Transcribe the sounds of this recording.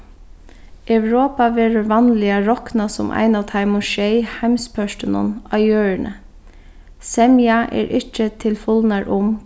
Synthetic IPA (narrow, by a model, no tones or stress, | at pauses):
ʔœʉɹoːpɑʋeːɹəɹʋɑnlɪɑɹɔknɑsʊ̰mʔæ̰ɪnɑːʋt̪ʰɑɪmʊʃeɪhæmspʰœʃtɪnʊ̰nɑʏøːɹnʔə̰ | sɛmɪɑʔḛːɹʔɪt͡ʃːət̪ʰɪlfʊlnɑɹʔʊm